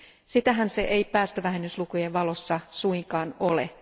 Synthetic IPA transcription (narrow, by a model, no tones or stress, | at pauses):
sit̪æɦænse̞ʔejpæːst̪øʋæɦenːyslukujeʋʋɑlo̞sːɑsuiŋkɑːnolḛ